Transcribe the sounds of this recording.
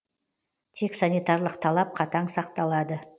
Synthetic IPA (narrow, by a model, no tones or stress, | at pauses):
t̪ʰeksanijt̪ɑɾlˠəqt̪ʰɑlˠɑp̚qʰɑt̪ɑɴsɑqt̪ɑlˠɑd̪ə